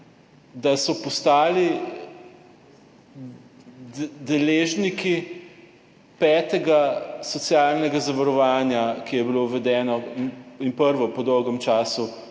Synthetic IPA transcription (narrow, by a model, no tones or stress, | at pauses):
d̪asɔpɔst̪aːli | d̪ɛleːʒniki | pɛːt̪ɛɡasɔt̪sjaːlnɛɡazaʋaɾɔʋaːnjakijɛbiloʋɛd̪ɛːnɔninpəɾʋɔpɔd̪ɔwɡɛmt͡ʃaːsu